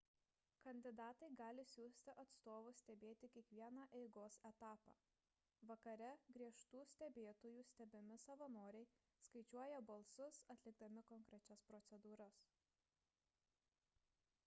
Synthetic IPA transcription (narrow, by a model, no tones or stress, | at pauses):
kɐnʲd̪ʲɪd̪ɑːt̪ɐɪɡɑːlʲɪsʲuːsʲt̪ʲɪʔɐt̪st̪oːʋʊsʲt̪ʲɛbʲeːt̪ʲɪkʲiɛkʋʲiɛnɑːʔɛɪɡoːsɛt̪ɑːpɑ̰ː | ʋɐkɐɾʲɛɡɾʲiɛʃt̪uːsʲt̪ʲɛbʲeːt̪oːjuːsʲt̪ʲɛbʲɪmʲɪsɐʋɐnoːɾʲɛɪ | skɐɪt͡ʃʲuɔjɛbɐlˠsʊsɐt̪ʲlʲɪɡd̪ɐmʲɪkɔŋkɾʲɛt͡ʃʲɛspɾɔt̪sʲɛd̪uːɾɐs